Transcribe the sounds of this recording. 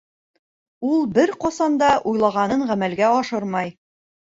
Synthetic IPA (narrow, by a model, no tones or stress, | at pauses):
ulˠbɘɾqɒsɑnd̪ɑʔujlˠɑʁɑnɤɴʁæmælɡæɒʃɤɾmɑj